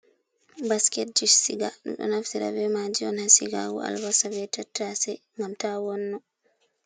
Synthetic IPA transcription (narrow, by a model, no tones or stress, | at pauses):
baskɛt̚d͡ʒiʃsiɡaɗṵmɗɔ̰naftiɾa̰bɛmad͡ʒiɔnhasiɡaɡɔ̰a̰lvasavɛtatːasɛ | ŋɡamtawɔnːɔ